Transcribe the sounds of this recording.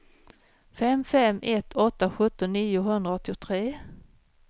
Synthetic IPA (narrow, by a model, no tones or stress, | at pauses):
fɛmfɛmʔɛt̪ʰːɔt̪ːaɧɵt̪ːɔniːjʊɦɵnd̪ɾaɔt̪ːɪʊt̪ʰɾeː